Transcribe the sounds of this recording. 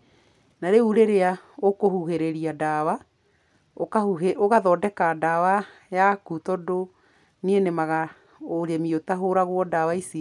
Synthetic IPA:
naɾeuɾeɾea | okohuɦeɾeɾiadawa | okaueoɣaðɔːdɛkadaːwa | jakutɔdo | nienemaɣa | oɾemiotaɦoɾaɣwɔdawaisi

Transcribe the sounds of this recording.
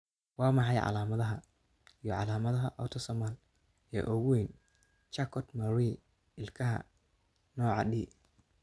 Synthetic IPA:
wɑːmɑħɑjʕɑ̰laːmɐðɐɦɐ | ijɔʕɑ̰laːmɐðɐɦɐʔɔt̪ʰɔsɔmal | ɛ̰ːʔɔɣʊwɛn | t͡ʃakʰɔt̪mɐɾi | ɪlkʰɐɦɐ̰ | nɔːʕɑ̰ɖiː

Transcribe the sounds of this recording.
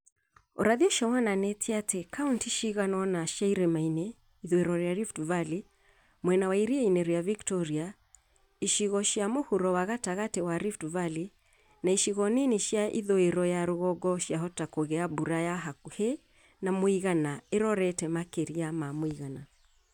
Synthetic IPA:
ɔɾaðiɔʃawananɛtʰiatɛkʰauntiʃiɣanɔnaʃajɾɛmainɛ | iðoeɾɔɾɛjaɾiftuvali | mwɛnawaiɾiɛinɛɾɔjaviktɔɾia | iʃiɣɔʃiamohuɾɔwaɣataɣatɛwaɾiftuvali | naiʃiɣɔniniʃaʔiðoeɾɔjaɾuɣɔɡɔʃiaɦɔtakoɣɛabuɾajaɦakuhɛ | namoiɣanaeɾɔɾɛtɛmakeɾiamamoiɣana

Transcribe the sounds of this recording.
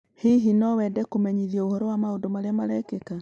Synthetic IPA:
hiɦinɔwɛdɛkomɛɲiðiɔohɔɾɔwamaondomaɾeamaɾɛkeka

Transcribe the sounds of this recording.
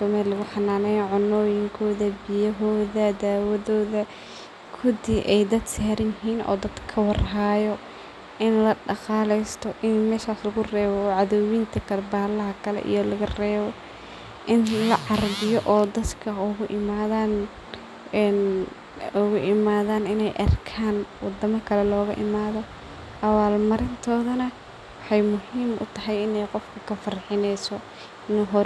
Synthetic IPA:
sɔːmaːlɪɣʊħɑnaːnɛjʕʊnːɔːjɪŋkʰɔːðɐbɪjɐɦɔːðɐd̪aːwɐðɔːðɐ | kʰʊðiʔɛjd̪ɐd̪sɛːɾɐjɪɦiːnɔ̰ːd̪ɐd̪̥kʰɐwɑrɦaːjɔ | ʔɪnlɐɖɑqɑːlɛjst̪ʰɔʔɪnmɛːʃaːslɐɣʊrɛːβɔʕɑðɔwɪnt̪ʰɐkʰɐlɛbaːlɐɦɐkʰɐlɛ̰ʔḭjɔlɐɣɐrɛːβɔ | ʔɪnlɐʕɑrbɪjɔʔɔːd̪ɐd̪kʰɐʊɣʊʔɪmaːðaːn | ɛn | ʊɣʊʔɪmaːðaːnɪnɛjʔɐ̰rkʰaːnwɑ̰d̪ɐmɐkʰɐlɛlɔːɣɐ̰ʔɪmaːðɔ | ʔɐwaːlmɐɾɪnt̪ʰɔːðɐnɐ | wɑħɑjmʊɦiːmʔʊ̰t̪ʰɐɦɛjɪnɛjqɔfkʰɐkʰɐfɐrħɪnɛjsɔ | ɪnːɦɔ

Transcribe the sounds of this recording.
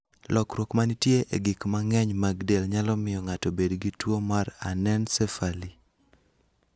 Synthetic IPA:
lɔkɾwokmanitjeʔeɡɪkmaŋɛɲmaɡdelɲalɔmɪjɔŋatɔbedɡitwomaɾa̰nɛnsɛfali

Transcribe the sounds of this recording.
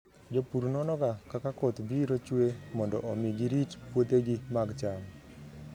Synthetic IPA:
d͡ʒopuɾnɔnɔkakakakɔt̪biɾot͡ʃwemɔndɔʔɔmiɡiɾitpwot̪eɡɪmaɡt͡ʃam

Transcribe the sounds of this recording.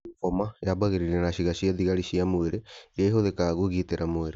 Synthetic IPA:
fɔmajabaɣeɾiɾenaɕiɣaɕiad̪iɣaɾiʃiamoeɾejaiɦoðekaɣoɣiteɾamoeɾe

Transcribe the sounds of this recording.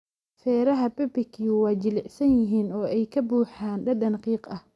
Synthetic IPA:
fɛːɾɐɦɐbɛbɪkʰiːwɑːt͡ʃɪlɪʕsɐnjɪɦiːnɔːɛjkʰɐbuːħaːnɖɐɖɐnqiːqʔɐh

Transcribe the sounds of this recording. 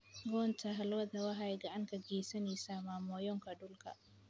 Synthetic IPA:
ɡɔːnt̪ʰɐɦɐlwɐd̪ɐwɐɦajɡɐʔaŋkɐɡiːsɐniːsamaːmɔːjɔŋkʰɐɖʊlkʰɐ̰

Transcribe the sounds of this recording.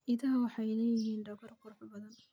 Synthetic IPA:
ʔɪðɐɦɐwɑħɑjɪlɛːjɪɦiːnɖɐɣɔrkʰʊɾʊħbɐðɐn

